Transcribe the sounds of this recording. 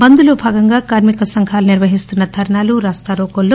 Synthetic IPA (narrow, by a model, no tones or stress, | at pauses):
bɐnd̪uloːbʱaːɡɐŋɡaːkaːɾmikɐsɐŋkʰaːluniɾʋɐɦist̪unːɐd̪ʰʱɐɾɐɳaːluɾaːst̪aɾoːkolːoː